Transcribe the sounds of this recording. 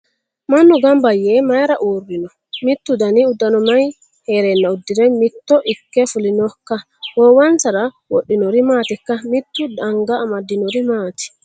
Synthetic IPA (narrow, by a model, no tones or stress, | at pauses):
mɐnːʊɡɐmbɐjːemɐjɾɐʔuːrːɪnɔ | mɪt̪ːʊd̪ɐnɪʊd̪ːɐnɔmɐj | heːɾɛnːɐʊd̪ːɪɾɛmɪt̪ːɔʔɪkːɛfʊlɪnɔkːɐ | wɔwɐnsɐɾɐ | wɔɗːɪnɔɾɪmaːt̪ɪkːɐmɪt̪ːʊd̪ɐŋɡɐːmɐd̪ːɪnɔɾɪmaːt̪ɪ̥